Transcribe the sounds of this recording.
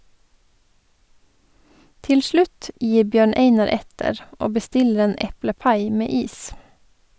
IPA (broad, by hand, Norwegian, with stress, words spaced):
ˈtɪl ˈʃlʉt ˈjiː ˈbjøːɳ ˈeɪnɑɾ ˈɛtəɾ ˈoː bəˈstɪlɾ̩ ˈeːn ˈɛpləˌpɑɪ ˈmeː ˈiːs